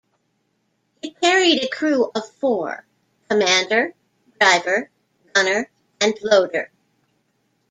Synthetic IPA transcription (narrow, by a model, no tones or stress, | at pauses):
hikʰɛɹiɾɨkʰɹ̥uʌv̥fɔɹ | kʰəmæ̃ndə˞ | dɹaɪvə˞ | dɡʌnə˞ | ɨ̃nloʊɾə̰˞